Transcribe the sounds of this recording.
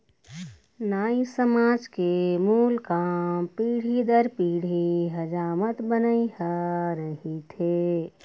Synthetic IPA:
naːisəmaːd͡ʒkemuːlkampiːɽ̤id̪əɾpiːɽ̤iɦəd͡ʒaːmət̪bənaiɦaɾəɦit̪ʰeː

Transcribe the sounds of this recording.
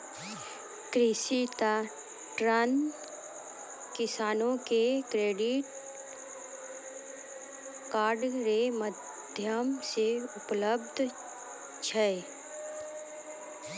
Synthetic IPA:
kɾɪsit̪a | ʈɾaːn | kɪsaːnõkekɾeːɖɪʈ̚ | kaːɾɖɾeməd̪ʱjəmseʊpləb̚d̪ʱ | t͡ʃʰɛe

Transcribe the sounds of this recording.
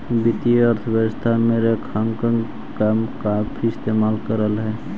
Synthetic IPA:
bit̪iəɾt̪ʰəbəɡst̪ʰameɾekʰaŋkəŋ | kamkapʰiɪst̪eːmaːlkəɾəlɦɛː

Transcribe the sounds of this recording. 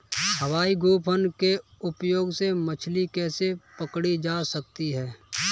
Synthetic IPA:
həwaːiɡoːpʰənkeʊpjoːɡsemət͡ʃʰlikɛːsepəkɽid͡ʒaːsək̚t̪iɦɛː

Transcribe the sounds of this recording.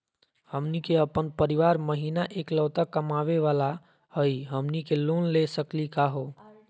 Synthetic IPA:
həmnikeəpənpəɾiʋaɾməɦinaʔekləːt̪akəmaʋeʋala | həiɦəmnikelonlesəklikaɦo

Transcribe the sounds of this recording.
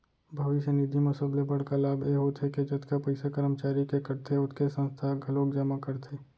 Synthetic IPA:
bʱɐʋɪʃjənid̪ʱimɐsoblepəɽ̤kalaːbʱjeɦot̪ʰɦeked͡ʒɐt̪kapɐɪsakəɾəmt͡ʃaːɾikekɐɾt̪ʰeʊt̪ʰkesə̃nst̪ʰaɡʱɐloːkd͡ʒəmakɐɾt̪ʰeː

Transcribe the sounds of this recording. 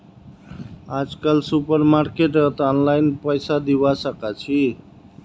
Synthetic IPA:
ad͡ʒkalsupəɾmaɾkeʈət̪ɔnlajnpəjsad̪ibasəkat͡ʃʰi

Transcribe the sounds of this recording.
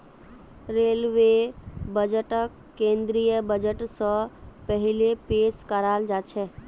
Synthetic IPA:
ɾeːlʋebəd͡ʒəʈək | kːẽːnd̪ɾijəbəd͡ʒəʈsə̃pəɦɪlepeːskəɾald͡ʒaːt͡ʃʰɛ

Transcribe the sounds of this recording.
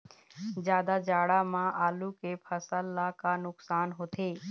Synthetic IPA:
zjaːd̪ad͡ʒaːɽamãʔaːlukepʰəsəlːakanʊksaːnɦoːt̪ʰeː

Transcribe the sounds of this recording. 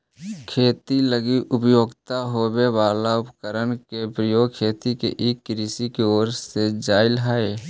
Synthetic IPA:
kʰeːt̪iləɡiʔʊpjoːɡt̪aɦobeʋaːlaʊpkəɾənkepɾəjoːɡkʰeːt̪ikḛʔeːkːɾisikeoːɾsed͡ʒaːɪlɦae

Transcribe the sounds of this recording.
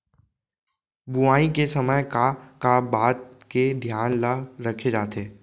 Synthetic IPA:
bʊaːĩkesɐməjkakabaːt̪ked̪ʱjaːnlaɾɐkʰed͡ʒaːt̪eː

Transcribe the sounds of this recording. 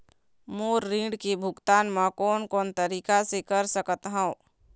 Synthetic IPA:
moːɾːĩɖkibʱʊɡt̪aːnmãkoːnkoːnt̪əɾiːkasekəɾsəkət̪ɦã

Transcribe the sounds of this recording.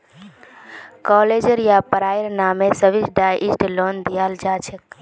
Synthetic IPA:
kɔled͡ʒəɾjapəɾaːjəɾnaːmesəʋisɖajʔisʈlond̪ijaːld͡ʒat͡ʃʰek

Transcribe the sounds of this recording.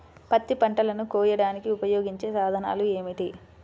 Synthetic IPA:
pɐt̪ːipɐɳʈɐlɐnukoːjɐɽaːnikiupɐjoːɡiɲt͡ʃe̞ːsaːd̪ʱɐna̰ːlue̞ːmiʈi

